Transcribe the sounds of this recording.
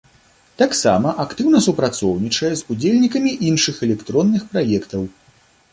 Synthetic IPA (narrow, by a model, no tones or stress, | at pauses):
t̪aksamɐʔakt̪ɨwnɐsupɾat̪sɔwnʲit͡ʂɐjɛzud͡zʲelʲnʲikɐmʲiʔinʂɨxɛlʲɛkt̪ɾɔnːɨxpɾajɛkt̪ɐw